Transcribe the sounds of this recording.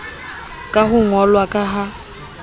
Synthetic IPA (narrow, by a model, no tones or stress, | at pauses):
kʼaɦʊŋɔlwakʼaɦa